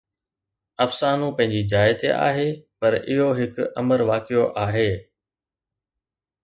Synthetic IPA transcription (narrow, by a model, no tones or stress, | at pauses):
ɐfsaːnũpɐ̃ɦɪ̃ɲd͡ʑid͡ʑaːɪt̪ḛʔa̰ːɦeːpɐɾɪɦoɦɪkɐ̰məɾʋaːkijoʔaːɦeː